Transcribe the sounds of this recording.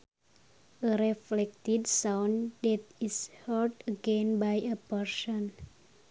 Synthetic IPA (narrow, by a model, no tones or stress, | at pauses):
əɾɛflɛk̚t̪idsawndɛt̪̚ishərdəɡɛnbajəpɛrsɔn